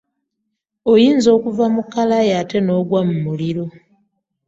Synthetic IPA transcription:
ojiːnzo̞ːkuvamukːalajaate̞no̞ːɡwamumuliɾo̞

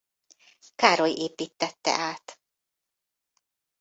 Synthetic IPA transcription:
kaːɾojeːpiːt̪ːɛt̪ːɛ̰ʔaːt̪

